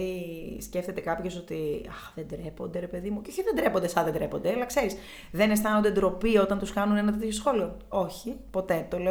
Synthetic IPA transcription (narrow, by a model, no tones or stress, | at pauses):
isce̞ft̪e̞t̪e̞kɐpçe̞so̞t̪iɐxðend̪ɾepond̪e̞ɾepe̞ðimuceoçiðend̪ɾepo̞nd̪esɐðed̪ɾepo̞nd̪eɐlɐkse̞ɾis | ðe̞ne̞st̪ɐno̞nd̪e̞d̪ɾo̞pio̞t̪ɐnt̪uskɐnune̞nɐt̪et̪ço̞sxo̞lio̞o̞çipo̞t̪e̞t̪o̞le